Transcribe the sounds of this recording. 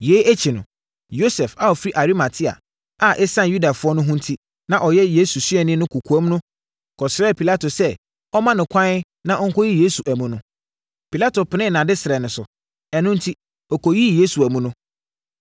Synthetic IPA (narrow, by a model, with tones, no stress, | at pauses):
je˨˦æ˦t͡ɕʰi˨nʊ̰̃˨ | jo˦sɛ˨fa˨ɔ˨fɾi˦ʔa˨ɾi˦ma˨tʰi˦a̰˨ | a˨ʔɛ˦sã˦˨ju˦da˨fʊ˦ɔ˦nʊ̃˦ɦʊ̃˦n˦tʰi˦ | nã˨ʔɔ˨jɛ˦jeː˦su˨sɥɛ˨nɪ̃˦nʊ̃˦kʰu˨kʰu˨ɛ˦m˦nʊ̃˦ | kʰɔ˨sɪ˦ɾɛ˦˨pʰi˨la˦to˨sɛ˦ | ɔ˦mã˦nɪ̃˨kʷʰã˦n˦ | nã˦˨ɔ˦ŋ̩˦kɔ˦ji˦jeː˦su˨ʔæ˨mũ˨nʊ̃˦ | pi˨la˦to˨pʰɪ˨nɪ̃˦˨nã˨dɪ˦sɪ˨ɛ˨nʊ̃˨sʊ˨ | ɛ˨nʊ̃˦n̩˦tʰi˦ | ɔ˨kɔ˨ji˦jeː˦su˨æ˨mũ˦nʊ̃˦